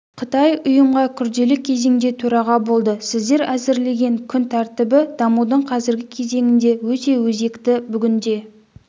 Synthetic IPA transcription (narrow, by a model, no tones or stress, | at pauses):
qʰət̪ɑjʊjəmʁɑkʲʰʏɾd̪e̞lɪkʲʰe̞ze̞ŋd̪e̞t̪ʰɵɾɑʁɑbo̞lˠd̪əsɪzd̪e̞ɾæzɪɾle̞ɡʲe̞ŋkʲʰʏnt̪ʰæɾt̪ɪbɪd̪̥ɑmud̪əɴqʰɑzɪɾɡʲɪkʲʰe̞ze̞ŋɪnd̪e̞wɵt̪e̞wɵze̞kt̪ɪbʏɡʲɪnd̪e̞